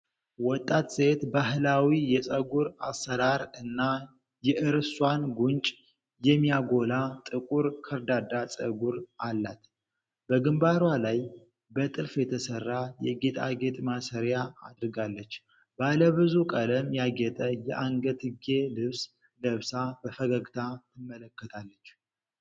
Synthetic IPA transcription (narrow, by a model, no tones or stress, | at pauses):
wɔt̪ʼːat̪sʼet̪baɦlawijɛsʼəɡuɾasəɾaɾɨnːa | jɛʔɨɾswanɡunt͡ʃʼ | jɛmːijaɡo̞lat̪ʼɨkʼuɾkʰəɾd̪ad̪at͡sʼə̰ɡuɾalːat̪ | bəɡɨmbaɾwalaj | bət̪ʼɨlfjɛt̪ʰəsərːajɛɡet̪ʼaɡet̪ʼmasəɾjaa̰d̪ɾɨɡalːət͡ʃː | baləβɨzukʼələmjaɡɛt̪ʼəjɛʔaŋɡət̪ʰɨɡelɨβs | ləβsab̥əfəɡəɡt̪ʰat̪ʰɨmːələkːət̪ʰalːət͡ʃː